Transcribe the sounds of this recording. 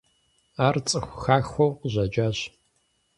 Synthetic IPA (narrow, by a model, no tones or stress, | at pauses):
aːrt͡sʼɨxʷʊxaːxʷowqəʑɐd͡ʒaːɕ